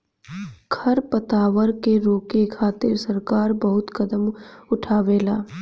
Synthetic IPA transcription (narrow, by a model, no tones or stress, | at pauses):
ɡʰʱɐɾpɐt̪aːʋəɾkeɾoːkekʰaːt̪ɪɾsɐɾkaːɾbɐɦʊt̪kɐd̪əmʊʈʰaːʋeːlaː